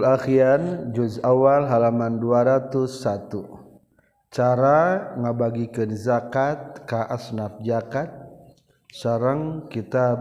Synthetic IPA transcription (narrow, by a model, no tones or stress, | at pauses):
laxiand͡ʒud͡ʒawalɦalamanduaɾat̪usːat̪u | t͡ʃaɾaŋabaɡikənzakat̪̚kaʔasnap̚d͡ʒakat̪̚ | saɾəŋkit̪a